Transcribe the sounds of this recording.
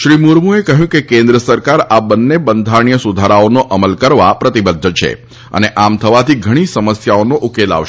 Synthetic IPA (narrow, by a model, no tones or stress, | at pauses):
ʃɾimuɾmuekəɦjũkekẽnd̪ɾəsəɾkaɾabənːebənd̪ʱaɾɳijəsud̪ʱaɾaonoʔəməlkəɾʋapɾət̪ibəd̪ʱːət͡ʃʰḛ | ə̰neʔamt̪ʰəʋat̪ʰiɡʱəɽ̃isəməsjaonoʔukela̰ʋʃ